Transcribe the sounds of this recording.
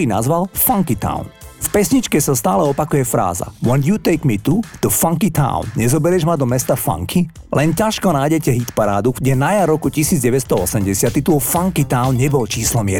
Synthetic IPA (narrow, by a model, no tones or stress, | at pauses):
ina̰zʋalfaŋkit̪a̰ʊnfpɛsɲit͡ʃkɛsast̪aːlɛɔpakujɛfɾa̰ːza̰wɛnd̪jut̪ɛɪkmit̪ut̪ufãŋkit̪ʰã̰ʊnɲɛzɔbɛɾɛʒmad̪ɔmɛst̪afa̰ŋkʰi | lʔɛncaʃkɔnajɟɛcɛɦit̪paɾaːd̪uɡɟɛnajaɾɾɔkucisiːd͡zɟɛʋɛt̪st̪ɔɔsɛmɟɛsɪat̪ːit̪ulfaŋkit̪aʊnɲɛbɔlt͡ʃiːslɔmɪɛ